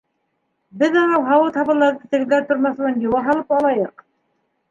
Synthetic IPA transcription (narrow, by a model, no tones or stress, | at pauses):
bɘðɑnɑwɦɑwɤt̪hɑβɤ̆lˠːɑɾðɤt̪ɘ̆ɡɘ̆ðːæt̪ŏɾmɑθlˠɑnɡ̪iwɑɦɑlˠɤpɑlˠɑjɤq